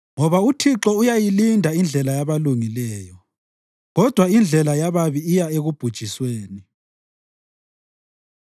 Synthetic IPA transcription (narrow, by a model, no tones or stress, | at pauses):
ŋɔβautʰiǁɔujajilindʱaind͡ɮʱɛlajaβaluŋilɛːjɔ | ɣɔd̥ʱwaind͡ɮʱɛlajaβaβiːjaeɣub̥ʱud̥ʒ̥ʱisweːni